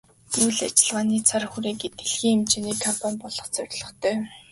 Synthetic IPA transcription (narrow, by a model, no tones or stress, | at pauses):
ujɮa̰t͡ɕɪ̆ɮʁaːniːt͡sʰarxuɾeːɡet̪ɘ̆ɮxiːŋemt͡ɕeniːkʰampʰanʲpɔɮɞ̆χt͡sœɾʲɮɞ̆χt̪ʰœː